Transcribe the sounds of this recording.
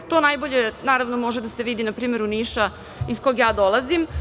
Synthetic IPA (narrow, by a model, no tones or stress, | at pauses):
t̪o̞ːnajbo̞ʎe̞naːɾaʋnomo̞ʒed̪aseʋid̪inapɾiːme̞ɾuniːʃa | isko̞jɡjaːd̪o̞lˠazim